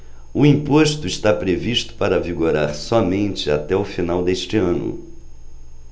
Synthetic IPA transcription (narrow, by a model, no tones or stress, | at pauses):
ʊĩpoʃt̪ʊɪst̪apɾeviʃt̪ʊ̥paɾɐviɡoɾaɾsɔmẽnt͡ʃɪat̪ɛʊfinawd̪eʃt͡ʃɪɐ̃nʊ̰